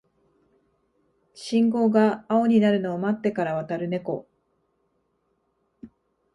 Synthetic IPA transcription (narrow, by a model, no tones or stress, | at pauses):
ɕĩŋɡo̞ːɡaːo̞ɲ̟inaɾɯ̟noːmat̪ːe̞kaɾaβat̪aɾɯ̟ne̞ko̞